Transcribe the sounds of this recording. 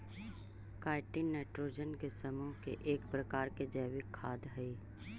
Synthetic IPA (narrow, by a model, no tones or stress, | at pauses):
kaːɪʈinnːeːʈɾoːd͡ʒənkesəmuːɦkḛʔeːkpɾɐkaːɾked͡ʒəːʋɪkʰːaːd̪ɦɛiː